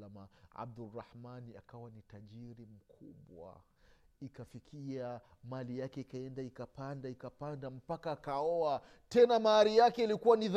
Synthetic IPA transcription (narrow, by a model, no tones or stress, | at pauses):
amaa̰b̚durːahmania̰kawanitaʄiɾim̩kʰuɓwa̰ | ikafikʰia | malijakɛikaɛndaikapandaikapandam̩pakaːkaɔa | tɛnamaaɾijakɛilikuwanið